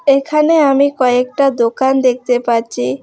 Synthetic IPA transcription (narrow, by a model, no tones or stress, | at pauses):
ekʰaneamikɔek̚ʈad̪okand̪ek̚t̪epaɾt͡ɕʰi